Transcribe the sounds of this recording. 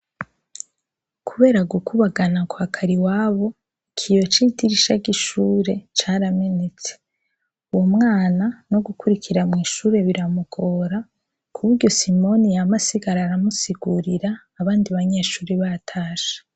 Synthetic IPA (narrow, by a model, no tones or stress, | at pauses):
kʰuβe̞ːɾaɡukʰuβaɡanakwakʰaɾiwaːβo̞ | ikʰijo̞t͡ʃitiɾiʃaɡiʃuːɾe̞t͡ʃaːɾame̞ne̞t͡se̞̥ | uwomŋaːnano̞ɡukuɾikʰiɾamŋiːʃuːɾe̞βiɾamuɡo̞ːɾa | kʰuβuɾɟo̞simo̞nijamasiɡaɾaːɾamusiɡuɾiɾaː | βaːndiβaɲe̞ːʃuːɾiβatʰaːʃḁ